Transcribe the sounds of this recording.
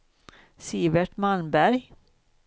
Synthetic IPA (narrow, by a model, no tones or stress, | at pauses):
siːbɛʈmalbæɾj